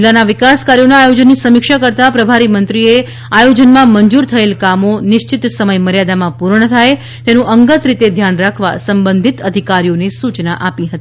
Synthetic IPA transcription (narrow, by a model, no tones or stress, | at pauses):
d͡ʒlːanaʋɪkaskaɾjonaːjod͡ʒənːisəmɪkʃakəɾt̪apɾəbʱaɾimənt̪ɾie | ajod͡ʒənmãməɲd͡ʒuɾt̪ʰəelkamonɪʃt͡ʃɪt̪səməjməɾjad̪amãpuɾɳət̪ʰaj | t̪enũʔəŋɡət̪ɾit̪ed̪ʱjanɾakʰʋa̰səmbənd̪ʱit̪əd̪ʱikaɾijonesut͡ʃnaʔapiɦət̪i